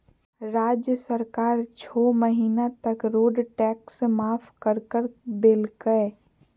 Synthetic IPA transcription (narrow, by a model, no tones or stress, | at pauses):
ɾaːd͡ʒjəsəɾkaːɾt͡ʃʰoːməɦiːnat̪əkɾoːɖʈɛːksmaːpʰkəɾkəɾbeːlkəe